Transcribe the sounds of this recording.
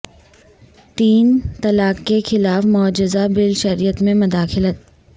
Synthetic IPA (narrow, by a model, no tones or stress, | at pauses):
t̪iːnt̪ɐlaːkːexɪlaːfmɔːd͡ʒɪzabɪlʃɐɾijət̪mẽmʊd̪aːxɪlət̪̚